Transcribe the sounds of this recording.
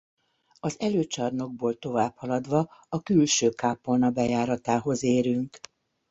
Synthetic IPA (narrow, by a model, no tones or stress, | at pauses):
ɒzɛløːt͡ʃɒrno̞ɡ̚boːlt̪o̞vaːphɒlɒd̪ʋɒɒkylʃøːkaːpolnɒbɛjaːɾɒt̪aːɦo̞zeːɾyŋk